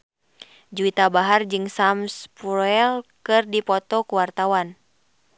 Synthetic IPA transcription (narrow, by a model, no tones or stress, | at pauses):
d͡ʒuit̪abaɦard͡ʒɨŋsamspuɾɛlkɨrdipɔt̪ɔkuwart̪awan